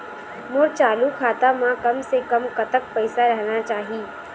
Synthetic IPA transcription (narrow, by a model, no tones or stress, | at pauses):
mʊɾt͡ʃaːlukʰaːt̪amãkɐmsekɐmkɐt̪ək̚pɛɪsaɾɛɦnat͡ʃaːɦiː